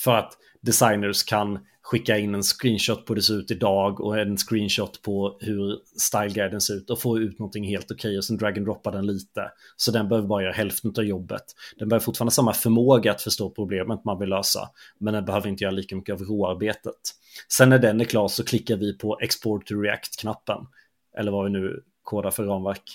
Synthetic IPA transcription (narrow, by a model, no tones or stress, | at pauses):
fœɾat̪ | d̪ɛsajnəɾʂkʰan | ɧɪkːaɪnːɛnskɾiːnɕɔt̪ːpʰɔd̪ɛsɾʉ̟ːt̪ɪd̪ɑːɡɔ̰ɛnskɾiːnʃɔt̪ːpʰɔhɵɾst̪aɪlɡaɪd̪ənsɛɾʉːt̪ɔfoːʉ̟ːt̪nɔnt̪ʰɪŋheːlt̪ɔkʰɛjːɔsɛnd̪ɾaɡənd̪ɾɔpːaɖɛnliːt̪ə̰sɔd̪ɛnbɛhøːvəbɑːɾajœːɾaɦɛlft̪ənʉt̪avjɔbːə̰t̪d̪̥ɛnbɛøːvɾfʊʈfːɾnd̪əsamːafœɾmoːɡaat̪fœʂtoːpʰɾʊbleːmət̪manvɪlːøːsa̰mɛnd̪ɛnbɛhøːvəɾɪnt̪əjœːɾaliːkamʏkːəavɾoːaɾbeːt̪ət̪ | sɛnːæɖɛnːɛkʰlɑːʂɔkʰlɪkːaɾvɪpʰɔʔɛkspɔɾʈʰɾɪa̰kt̪kʰnapːən | ʔɛ̰lːəɾvavɪnʉ̟ː | kʰoːd̪aɾfœɾːɑːnvæɾk